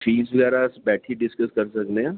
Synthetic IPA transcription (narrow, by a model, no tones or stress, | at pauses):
fiːsʋɐɡɛːɾasbɛːʈʰiɖɪskəskɐɾsɐkneã